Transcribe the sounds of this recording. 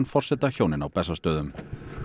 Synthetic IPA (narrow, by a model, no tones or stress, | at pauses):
nfɔr̥sɛt̪açoːwnɪnawpɛsːast̪œːðʏm